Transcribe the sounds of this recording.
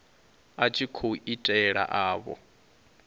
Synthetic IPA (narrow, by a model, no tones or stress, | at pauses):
at͡ʃʼʰikʰoʔitʼɛɺa̰ʔaːβɔ̰